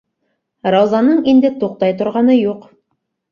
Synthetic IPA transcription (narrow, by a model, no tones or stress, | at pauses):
ɾɑwzɑnɤɴind̪ɘt̪uq̚t̪ɑjt̪ŏɾʁɑnɤjuq